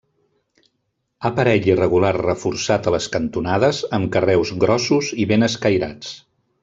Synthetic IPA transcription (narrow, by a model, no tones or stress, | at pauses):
apəɾɛʎirəɣ̞ularrəfuɾsat̪ələskənt̪unað̞əzəmkərɛwzɣɾɔsuziβenəskəjɾa̰t͡s